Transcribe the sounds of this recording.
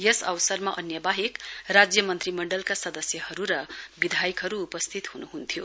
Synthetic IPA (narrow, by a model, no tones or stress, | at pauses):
jʌsʌwsʌrmaʔʌnjʌbaɦikrad͡zjʌmʌnt̪rimʌɳɖʌlkasʌd̪ʌsjʌhʌɾuɾʌbid̪ʱajikɦʌɾuːpʌst̪ʰit̪hunuɦunt̪ʰjo